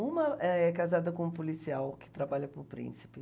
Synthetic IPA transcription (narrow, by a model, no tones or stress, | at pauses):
ũmɐɛɛkazad̪ɐkõũpolisiawkɪ̥t̪ɾabaʎɐpʊɾpɾḭ̃si̥pɪ